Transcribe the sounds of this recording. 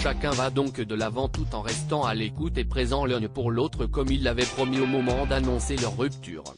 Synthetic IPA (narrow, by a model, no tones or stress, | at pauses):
ʃakɛ̃vad̪ɔ̃kd̪əlavɑ̃t̪ut̪ɑ̃ʁɛst̪ɑ̃alekut̪epχezɑ̃lɛ̃puʁlot̪χəkɔmilːavɛpχɔmiomɔmɑ̃d̪anɔ̃selœʁːypt̪y̰ːʁ